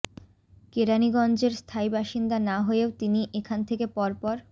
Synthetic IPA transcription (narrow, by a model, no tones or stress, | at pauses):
keɾaniɡɔnd͡ʑeɾst̪ʰaibaʃind̪anaɦoeot̪iniʔekʰant̪ʰekepɔɾpɔɾ